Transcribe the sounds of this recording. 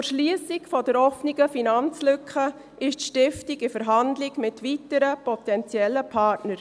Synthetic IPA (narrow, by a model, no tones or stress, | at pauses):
ʃlyəsɪkfɔdəɾɔfniɡəfinɑnt͡slʏkχə | ʔɪʃtʃtɪftiɡɪfəɾɦɑndlɪɡmɪtʋitəɾəpʰɔtɛnt͡sjɛlːəpʰɑːɾtnəɾ